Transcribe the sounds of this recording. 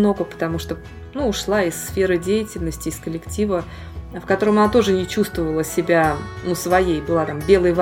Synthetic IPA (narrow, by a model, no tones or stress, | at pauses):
no̞ɡəpə̥t̪ɐmuʂt̪o | nuʊʂlˠaɪsːfʲe̞ɾɨdʲejɪtʲɪlʲnəsʲtʲɪːskəlʲɪktʲivə | fkɐt̪o̞ɾəmɐnat̪o̞ʐɨnʲɪt͡ɕust̪vəvəlˠəsʲɪbʲanusvɐjejbɨlˠat̪ambʲe̞lˠəjv